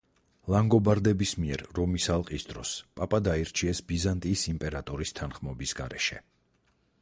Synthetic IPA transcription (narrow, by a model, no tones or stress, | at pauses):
lˠaŋɡɔbaɾd̪ɛbismiɛɾːɔmisalˠqʼisd̪ɾɔspʼapʼad̪aiɾt͡ʃʰiɛsbizant̪ʼiːsimpʼɛɾat̪ʼɔɾist̪ʰanχmɔbisɡ̥aɾɛ̰ʃɛ